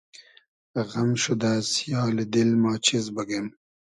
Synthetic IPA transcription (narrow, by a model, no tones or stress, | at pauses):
ɣɐmʃud̪aːsjɑːled̪ilmɑːt͡ɕizbɐɡem